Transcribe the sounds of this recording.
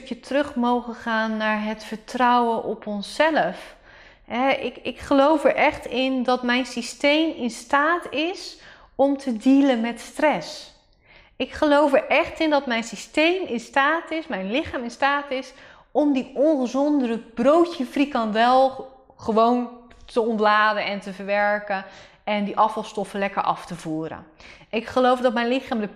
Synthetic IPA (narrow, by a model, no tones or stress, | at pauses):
kjətrɵχmowχəχaːnːaːɹɦətfəɹtrʌwənʔɔpɔnsːɛləf | ɦɛɪkɪkχəlowfəɹʔɛχtɪndɑtmɛjnsistejmɪnstaːtɪs | ɔmtʰədilənmɛtstrɛs | ɪkχəlowfəɹʔɛχtɪndɑtmɛjnsistejmɪnstaːtɪsmɛjnlɪχaːmɪnstaːtɪs | ɔmdiʔɔnχəzɔndəɾəbrowtəfrikɑndɛlˠ | χəʋowntəɔntlaːdəɛntəvəɹʋɛɹkə | ɛndiʔɑfɑlˠstɔfəlɛkəɹʔɑ̰ftəvuːɾə̰ | ɪkχəlowfdɔtmɛjnlɪχaːmdə